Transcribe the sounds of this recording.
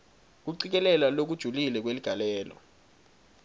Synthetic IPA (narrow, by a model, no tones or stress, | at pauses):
k̬uǀik̬ɛlɛlalok̬ud̥ʒ̥ʱulilɛk̬weliɡ̥ʱalɛːlɔ̰